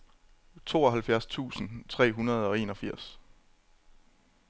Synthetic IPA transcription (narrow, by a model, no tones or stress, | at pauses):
t͡sʰo̝̰ːɒ̽ɦælfjæɐst͡sʰṵːsn̩t͡sʰʁɛ̰ːɦunɐð̞ˠɒ̽e̝ːnɒ̽fiɐ̰s